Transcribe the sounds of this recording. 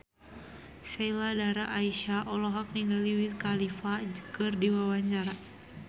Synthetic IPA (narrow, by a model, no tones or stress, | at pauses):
sailadaɾaʔːiʃaʔɔlɔɦak̚niŋɡaliwit̚kalifakɨrdiwawaɲt͡ʃaɾa